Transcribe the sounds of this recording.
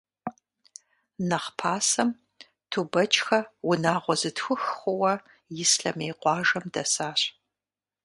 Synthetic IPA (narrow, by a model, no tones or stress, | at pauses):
nɐχpʰaːsɐm | tʰubɐt͡ʃʼxɐwʊnaːʁʷɔzɨtʰxʷʊxχʷʊwɐ | jɪsɬɐ̰meːqʷɑːʒɐmdɐsaːɕ